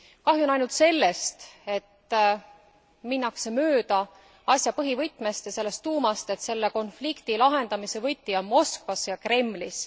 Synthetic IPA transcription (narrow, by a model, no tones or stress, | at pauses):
kɑɦjunɑjnult̪se̞lːe̞st̪e̞t̪ː | minːɑkse̞møːd̪̥ɑ | ɑsʲjɑpɤɦivɤjt̪ːˑmest̪jɑse̞lːe̞st̪ːuːmɑst̪e̞t̪se̞lːeko̞nflikt̪ilɑɦe̞nd̪ɑmise̞vɤjt̪ːiɑmo̞skvɑsjɑkre̞mːlis